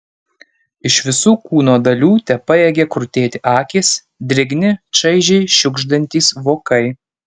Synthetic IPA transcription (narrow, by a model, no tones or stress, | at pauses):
ɪʃʋʲɪsuːkuːnoːd̪ɐlʲuːt̪ʲɛpɐjɛːɡʲekɾʊt̪ʲeːt̪ʲɪʔɑːkʲeːs | d̪ʲɾʲɪɡnʲɪt͡ʃɐɪʒʲɛɪʃʲʊɡʒd̪ɐnʲt̪ʲiːsʋoːkɐɪ